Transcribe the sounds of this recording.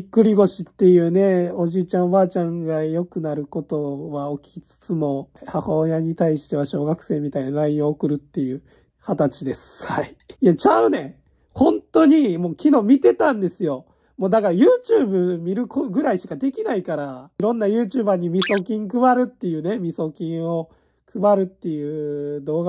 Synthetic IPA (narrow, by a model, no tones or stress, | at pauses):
ikːɯ̟ɾʲiɡo̞ɕit̪ːe̞jɯ̟ːne̞o̞ʑiːt͡ɕãɰ̃βaːt͡ɕãŋɡajo̞kɯ̟naɾɯ̟ko̞t̪o̞βaokʲi̥t͡sɨ̥t͡sɨmo̞hahoːjaɲ̟it̪aiɕi̥t̪e̞βaɕo̞ːɡakɯ̟̥se̞ːmʲːit̪ainaɾaĩo̞ːkɯ̟ɾɯ̟t̪ːe̞jɯ̟ː | hat̪at͡ɕid̪e̞sɨ̥haiː | jat͡ɕaɯ̟ne̞ | hõ̞nt̪o̞ɲ̟imo̞ːkʲino̞ːmʲit̪e̞t̪ãnd̪e̞sɨjo̞ | mo̞ːd̪akaɾajɯːt͡ɕɨːbɯ̟mʲiɾɯ̟kʰoɡɯ̟ɾaiɕi̥kad̪e̞kʲinaikaɾaiɾõ̞nːajɯ̟ːt͡ɕɨːbaɲ̟imʲiso̞kʲĩŋkɯ̟βaɾɯ̟t̪ːe̞jɯ̟ːne̞mʲiso̞kʲĩɰ̃o̞ | kʰɯ̟baɾɯ̟t̪ːe̞jɯ̟ːd̪o̞ːɡa